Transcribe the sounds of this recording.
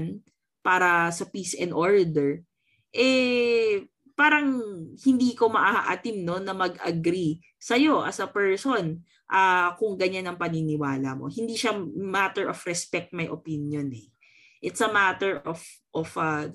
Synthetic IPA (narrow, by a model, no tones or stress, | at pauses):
n | paːɾɐsɐpisɛnd̪ʔoɹd̪ɛɹ | ʔɛ | paːɾɐŋhɪnd̪iːko̞mɐʔaʔɐt̪ɪmno̞nɐmɐɡɐɡɾi | sɐjo̞ʔɐsɐpɛɹson | ʔakʊŋɡɐɲanɐŋpɐninɪwaːlɐmo̞̰hɪnd̪iʃɐmat̪ɛɹʔofɾɛspɛk̚t̪̚mɐjʔopinjonɛ | ʔɪt̪sɐmat̪ɛɹʔɔfʔɔfʔɐ